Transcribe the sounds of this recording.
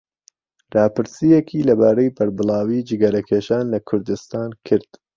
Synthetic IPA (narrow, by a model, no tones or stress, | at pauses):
ɾɑːpɨɾsijɛkʰiːlɐbaːɾɐjbɐɾbɨlɑːwiːd͡ʒɪɡɐɾɐkʰeːʃaːnlɐkʰʊɾd̪ɨst̪aːnkʰɨɾd̪̥